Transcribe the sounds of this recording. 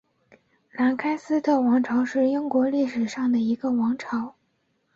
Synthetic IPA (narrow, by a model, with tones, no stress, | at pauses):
la˧˥nkʰa˥ɪsɹ̩˥t̪ʰɤ˥˩wɑ˧˥ŋʈ͡ʂʰɑ˧˥ʊʂɻ̩˥˩i˥ŋkwɔ˧˥li˥˩ʂɻ̩˨˩ʂɑ˥˩ŋd̪ə˩i˧˥ɡə˧wɑ˧˥ŋʈ͡ʂʰɑ˧˥ʊ